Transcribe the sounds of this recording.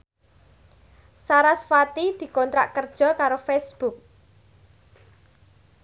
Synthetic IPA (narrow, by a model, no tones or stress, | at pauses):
saɾasfat̪id̪̥i̤kɔnt̪ɾa̰ʔkərd̥ʒ̥ɔ̤kaɾofesb̥ʊk̚